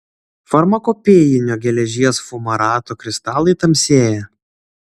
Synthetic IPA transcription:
fɐɾmɐkoːpʲeːjɪnʲoːɡʲɛlʲɛʒʲiɛsfʊmɐɾɑːt̪oːkɾʲɪst̪ɑːlˠɐɪt̪ɐmʲsʲeːjɛ

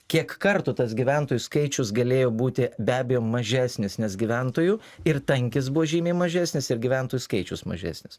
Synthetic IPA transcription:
kʲiɛkkɐɾt̪ʊt̪ɐsɡʲiʋʲænt̪oːjʊskɐɪt͡ʃʲʊsɡɐlʲeːjoːbuːt̪ʲɪbʲæːbʲɛjoːmɐʒʲæːsʲnʲɪsnʲɛsɡʲiʋʲænt̪oːju | ɪɾt̪ɐŋʲkʲɪs̬buʋoːʒʲiːmʲeːmɐʒʲæːsʲnʲɪsɪɾɡʲiʋʲæˑnt̪oːjuskɐɪt͡ʃʲʊsmɐ̰ʒʲæ̰ːsʲnʲɪs

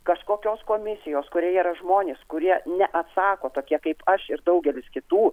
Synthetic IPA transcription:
kɐʃkoːkʲoːskoːmʲɪsʲɪjoːskʊɾʲiɛiːɾɐʒmoːnʲeːskʊɾʲiɛnʲɛʔɐt̪sɑːkoːt̪oːkʲiɛkɐɪpɐʃɪɾd̪ɐʊɡʲɛlʲɪskʲɪt̪uː

